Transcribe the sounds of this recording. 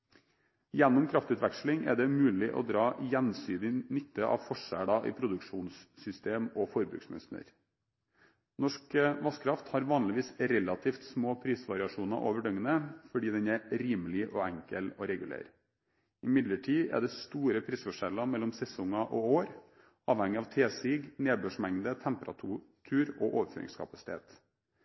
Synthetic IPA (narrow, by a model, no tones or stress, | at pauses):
jɛnːʊmkʰɾɑft̪ʉːt̪ʋækʂlɪŋʔɛ̰ɖɛmʉːlɪʔɔ̰d̪ɾɑːjɛnsyːd̪ɪnʏt̪ːəʔɑ̰ʋfɔʂæ̰ɖɑʔḭːpʰɾʊd̪ʉkʂuːnsːʏst̪eːmɔfɔɾbʉ̰ːksmɛ̰snə̰ɾ | nɔʂkəʋɑskʰɾɑft̪hɑɾʋɑːnlɪʋiːsɾɛlɑt̪ʰiːft̪smoːpʰɾiːsʋɑɾɪɑʂuːnɑ̰ʔo̰ːʋəɖœŋənəfɔɖiːd̪ɛnæɾiːmlɪʔoæŋkəloɾɛɡʉlḛːɾ | ɪmɪd̪ləʈʰiːæ̰ɖɛst̪uːɾəpʰɾiːsfɔʂɛlɑmɛlːɔmsɛsɔŋɑʔooːɾ | ɑːʋhɛŋɪɑʋt̪ʰeːsiːɡneːbøːʂmɛŋd̪ət̪ʰɛmpəɾɑ̰t̪ʰuːt̪ʰʉːɾoʔoːʋəfø̰ːɾɪ̰ŋskʰɑpɑsɪ̥t̪ʰḛːt̪